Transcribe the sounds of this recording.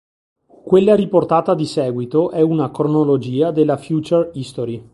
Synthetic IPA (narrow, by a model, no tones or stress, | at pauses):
kwelːaɾiport̪aːt̪ad̪isɛːɡwit̪oʔɛunakɾonolod͡ʒiːad̪elːafjuːt͡ʃerist̪oɾi